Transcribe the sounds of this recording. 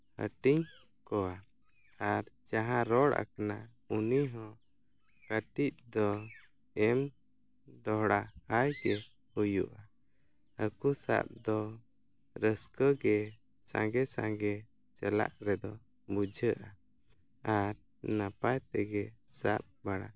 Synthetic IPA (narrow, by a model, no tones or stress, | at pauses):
hə̰ʈiɲ | kɔwa | aɾd͡ʒaɦãɾɔɽʔa̰kana | uniɦɔ̃ | kəʈic̚d̪ɔ | ɛm | d̪ɔɦɽahajkɛ | hujṵʔa | əkusa̰p̚d̪ɔ | ɾəskəɡɛ | sã̰ŋɡɛsãŋɡɛ | t͡ʃɛla̰ʔɾɛd̪ɔ | bud͡ʒʱəʔa | aɾ | napajt̪ɛɡɛsap̚baɽa̰